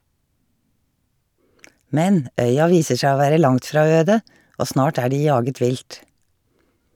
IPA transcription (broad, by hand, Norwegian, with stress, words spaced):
ˈmɛn ˈʔœʏɑ ˈʋiːsə ˈʃæː ˈoː ˈʋæːɾə ˈlɑŋt ˈfɾɑː ˈøːdə ˈʔoː ˈsnɑːʈ ˈæː ˈɖiː ˈjɑːɡət ˈʋɪlt